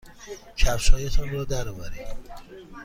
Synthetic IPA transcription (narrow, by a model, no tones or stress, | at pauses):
cʰæfʃɒːjet̪ʰɒnrɒːd̪æɾɒvæɾi